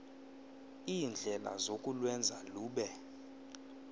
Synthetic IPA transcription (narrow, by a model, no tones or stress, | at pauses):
iːnd͡ɮʱɛla̰zokʼulwɛnd͡zʱaluːɓɛ